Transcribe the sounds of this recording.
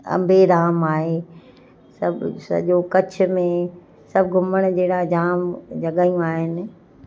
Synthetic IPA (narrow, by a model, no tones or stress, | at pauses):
ɐ̰̃mbʱeɾaːmaːɦe | sɐbsɐ̰ʄokɐt͡ɕʰʊ̆mẽ | sɐbɡʱʊməɽ̃d͡ʑeːɽad͡ʑaːmd͡ʑʱɐɠaːjũaːɦɪnɪ̆